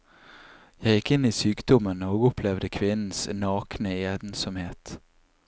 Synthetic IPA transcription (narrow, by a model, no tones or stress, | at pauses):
jɑjɪkːɪnːiːsyːkd̪ɔmənɔɡɔpʰlɛvd̪əkʰvɪnn̩snɑːknəeːd̪nsɔmheːt̪